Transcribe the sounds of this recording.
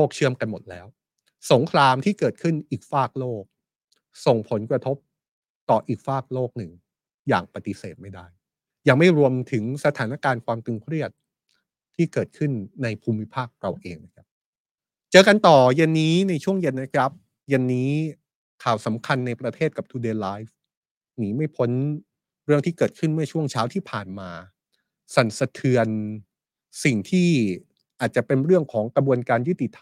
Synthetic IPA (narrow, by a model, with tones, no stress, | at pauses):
loː˥˩k̚t͡ɕʰɯ˥˩əmka˧nmo˨˩t̪̚lɛ̰ː˦˥w | so˩˦ŋkʰɾaː˧mt̪ʰiː˥˩kɤː˨˩t̪̚kʰɯ˥˩nʔiː˨˩k̚faː˥˩k̚loː˥˩k̚ | so˨˩ŋpʰo˩˦nkɾa˧t̪ʰo˦˥p̚ | t̪ɔː˨˩ʔiː˨˩k̚faː˥˩k̚loː˥˩k̚nɯ˨˩ŋ | ja̰ː˨˩ŋpa˧t̪i˧˦seː˨˩t̪̚ma˥˩jda˥˩j | jaː˨˩ŋma˥˩jɾu˧əmt̪ʰɯ˩˦ŋsa˧t̪ʰaː˩˦na˦˥kaː˧nkʰwaː˧mt̪ɯ˧ŋkʰɾi˥˩ət̪̚ʰː | iː˥˩kɤː˨˩t̪̚kʰɯ˥˩nːa˧jpʰuː˧mːi˦˥pʰaː˥˩k̚ɾa˧wʔeː˧ŋna˦˥kʰa˦˥p̚ | t͡ɕɤː˧ka˧nt̪ɔː˨˩je˧nːiː˦˥na˧jt͡ɕʰu˥˩əŋje˧nːa˦˥kʰɾa˦˥p̚ | je˧nːiː˦˥ | kʰaː˨˩wsa˩˦mkʰa˧nːa˧jpɾa˧t̪ʰeː˥˩t̪̚ka˨˩p̚t̪ʰuː˧deː˧laː˦˥jf | niː˩˦ma˥˩jpʰo˦˥n | ɾɯ˥˩əŋt̪ʰiː˥˩kɤː˨˩t̪̚kʰɯ˥˩nmɯ˥˩ɐt͡ɕʰu˥˩əŋt͡ɕʰaː˦˥wt̪ʰiː˥˩pʰaː˨˩nmaː˧ | sa˨˩nsa˧t̪ʰɯ˧ən | si˨˩ŋt̪ʰiː˥˩ | ʔaː˨˩t̪̚t͡ɕa˨˩pe˧nɾɯ˥˩əŋkʰɔː˩˦ŋkɾa˧bu˧ənkaː˧njɯ˦˥t̪i˨˩t̪ʰː